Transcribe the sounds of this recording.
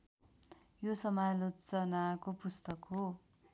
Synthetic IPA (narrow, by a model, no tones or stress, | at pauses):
josʌmalot͡sʌnakopust̪ʌkɦo